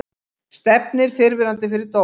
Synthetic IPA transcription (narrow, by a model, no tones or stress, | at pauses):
st̪ɛp̚nɪɾ̥fɪɾvɪɾant̪ɪfɪɾɪɾt̪o